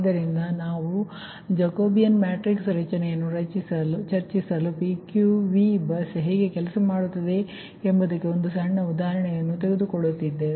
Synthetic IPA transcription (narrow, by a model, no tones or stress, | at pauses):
d̪ɐɾind̪ɐnaːʋu | d͡ʒɐkoːbijɐnmaːʈɾiksɾɐt͡ʃɐnɛjɐnːuɾɐt͡ʃisɐlut͡ʃɐɾt͡ʃisɐlupikjuʋibɐsɦeːɡe̞kɛlɐsɐmaːɽut̪ːɐd̪e̞ | embɐd̪ɐkːeond̪usɐɳːɐud̪aːɦɐɾɐɳɛjɐnːut̪eɡe̞d̪ukoɭːut̪ːid̪ːe